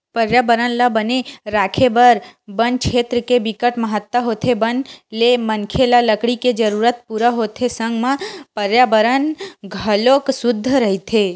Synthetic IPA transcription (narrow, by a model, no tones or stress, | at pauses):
pəɾjabəɾənlabəneɾakʰebəɾbənkʰet̪ɾəkebikəʈməɦət̪ːaɦot̪ʰebənlemənkʰelaləkɽiked͡ʒəɾuɾət̪̚puɾaɦot̪ʰesə̃ŋɡmãpəɾjabəɾənɡʱəloksʊd̪ʱːəɾəɦit̪ʰe